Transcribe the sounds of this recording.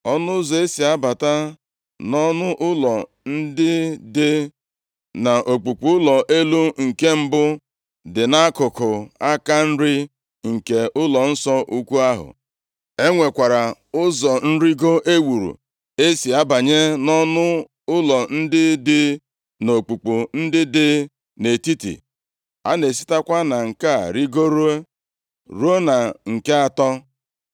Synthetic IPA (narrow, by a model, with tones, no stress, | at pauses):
ɔ˦nʊ˦ʊ˦zɔ˨e˦si˨a˦ba˨ta˦ | nɔ˦nʊ˦ʔʊ˦lɔ˨ | n̩˦dɪ˦dɪ˦ | na˨ʔo˨k͡pu˨k͡pu˨˦ʊ˦lɔ˨ʔe˦lu˦ŋ̩˨ke˦m̩˦bʊ˦ | dɪ˨na˦kʊ˨kʊ˨a˦ka˦n̩˦ɾɪ˦ | ŋ̩˨ke˨ʔʊ˦lɔ˨n̩˦sɔ˦ʔu˦kʷu˦a˦ɦʊ̰˨ | e˦ŋʷe˨kʷa˨ɾa˨ʊ˦zɔ˨n̩˦ɾi˦ɡo˦ʔe˦wu˨ɾṵ˨ | e˦si˨a˦ba˨ɲe˦nɔ˦nʊ˦ | ʊ˦lɔ˨n̩˦dɪ˦dɪ˦ | no˨k͡pu˨k͡pu˨n̩˦dɪ˦dɪ˦ | ne˨ti˦tḭ˨ | a̰˦ne˨s̬i̥˦ta˦kʷa˦na˨ŋ̩˨ka˦˨ɾi˦ɡo˦ɾu˦e˦ | ɾu˦e˦na˨ŋ̩˨ke˦a˨tɔ˦